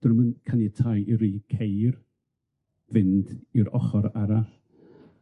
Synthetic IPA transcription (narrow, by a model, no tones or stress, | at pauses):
d̥rmənkʰanitʰajʔiɾiːkʰejr | vɪndiɾɔ̰χɔɾaɾaɬ